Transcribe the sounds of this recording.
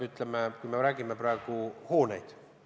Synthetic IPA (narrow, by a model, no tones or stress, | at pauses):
yt̪ˑlemekujme̞ɾæːɡ̥imepɾɑe̞ɡ̥uho̞ːnḛjd̪̥